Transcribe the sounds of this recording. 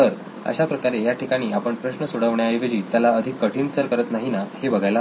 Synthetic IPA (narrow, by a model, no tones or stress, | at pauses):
əɾ | ə̰ɕapɾəkaɾejaʈʰikaɽ̃iːapəɳpɾəɕnəsuɽəʋɳjajʋed͡ʑiːt̪jalaəd̪ʱikːəʈʰiːnsəɾkəɾət̪naɦinahebəɡʱajla